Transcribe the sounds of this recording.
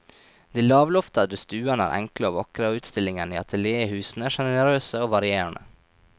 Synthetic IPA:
d̪iːlɑːʋlɔft̪ɑd̪əst̪ʉːɑnəæ̰ɾʔɛ̰ŋkləoːʋɑkɾɑoʉːt̪st̪ɪlɪŋənḭːɑt̪ʰəljeːhʉːsn̩æːʂɛnəɾøːsəoːʋɑɾɪeːɾɳə̰

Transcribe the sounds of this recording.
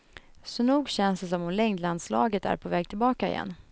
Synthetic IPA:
sɔnuːɡɕɛnss̬ɔmhʊnlɛŋd̪land̪slɑ̰ːɡət̪æ̰ɾpʰɔvɛːɡ̚t̪ʰɪlbɑːkaɪ̰jɛ̰nː

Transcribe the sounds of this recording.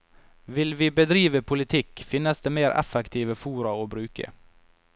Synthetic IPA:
ʋɪlʋiːbəd̪ɾiːʋəpʰʊlɪt̪ʰɪkfɪnəsd̪eːmeːɾʔɛ̰fɛkt̪ʰiːʋəfuːɾɑoːbɾʉːkə̰

